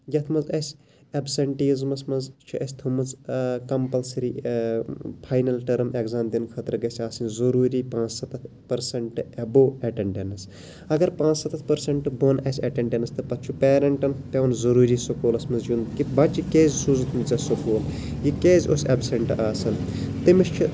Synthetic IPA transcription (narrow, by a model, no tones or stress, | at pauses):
jɐt̪ʰmɐzɐsʲ | ɐbsɐɳʈiːzmɐsmɐzt͡ʃʰuʔɐsʲt̪ʰomɐzkɐmpɐlsɾi | pʰaːjnɐlʈɐɾmeɡzaːmd̪inkʰɐt̪ɾɨɡɐsʲaːsɐnzɐɾuːɾiːpãːt͡ssɐt̪ɐt̪ʰ | pɐɾsɐɳʈɨeboːeʈeɳʈenɐs | ɐɡɐɾpãːt͡ssɐt̪ɐt̪̚ʰpɐɾsɐɳʈɨbonɐsʲeːʈeɳʈenɐst̪ɐpɐt̪̚ːt͡ʃʰupeːɾɐɳʈɐnpeʋɐnzɐɾuːɾiːsokoːlɐsmɐnzd͡ʒunkibɐt͡ʃʰikeːzʲsuːzɐt̪ʰmit͡sɐsokoːljikeːzʲosebsɐɳʈʔaːsɐnt̪imit͡ʃt͡ʃʰi